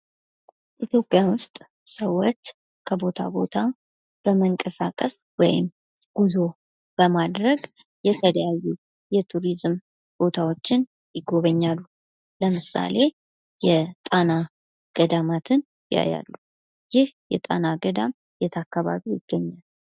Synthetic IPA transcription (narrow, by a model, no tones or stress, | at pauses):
ʔit̪jo̞pʼːjanwʊst̪ʼ | səwːot͡ʃː | kʰəbo̞t̪ʰa̰bo̞t̪ʰa | b̥əməŋkʼəsakʼəswɔjɪ̰m | ɡ̥uzo̞ | b̥əmad̪ɾəɡ | jɛt̪ʰələjajːu | jɛt̪ʰuɾizm | b̥o̞t̪ʰawo̞t͡ʃːɪn | jɪɡo̞βəɲːalːu | ləmɨsa̰le̞ | jɛt̪ʼana | ɡ̥əd̪amat̪ʰɨn | jja̰ja̰lːu | jɪhjɛt̪ʼa̰naɡəd̪am | jɛt̪ʰakːaβa̰βijɪɡ̥ːəɲːal